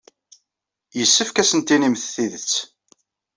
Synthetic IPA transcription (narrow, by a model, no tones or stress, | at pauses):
jəsːəfkæsənt̪inimθθiðət͡sː